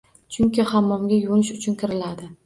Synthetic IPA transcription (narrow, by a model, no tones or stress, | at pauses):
t͡ʃʰʊŋkʲɪhamːɒmɡʲajʊnɪʃʊt͡ʃʰʊnkʲʰɪɾɪlad̪ɪ